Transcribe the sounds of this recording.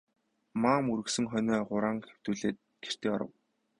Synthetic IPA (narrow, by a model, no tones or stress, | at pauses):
maːmuɾɵ̆ksɵ̆ŋχœnʲɔːχʊɾaːŋxe̥w̥t̪uːɮeːt̪̚ɡ̥er̥t̪eːɔ̰ɾə̰̆w